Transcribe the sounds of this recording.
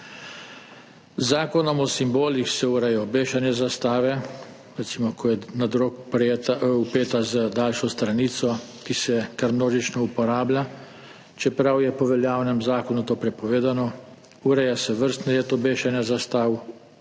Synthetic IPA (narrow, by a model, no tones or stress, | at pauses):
zaːkɔnɔmɔsimboːlixsɛuɾɛjɔbeːʃanjɛzast̪aːʋɛ | ɾɛt̪siːmɔkʰɔjɛnad̪ɾokpɾet̪upeːt̪azəd̪alʃɔst̪ɾaniːt̪sɔkisɛkaɾmnoːʒit͡ʃnɔupɔɾaːblʲja | t͡ʃɛpɾawjɛpɔʋɛljaːwnɛmzaːkɔnut̪oːpɾɛpɔʋeːd̪anɔ | uɾɛjasɛʋəɾst̪nɛlet̪ɔbeːʃanjɛazast̪aːw